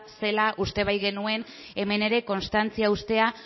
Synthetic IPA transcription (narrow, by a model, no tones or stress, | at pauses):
se̞laʔust̪e̞β̞ajɣe̞nue̞n | e̞me̞ne̞ɾe̞ko̞nst̪ant͡siaust̪e̞a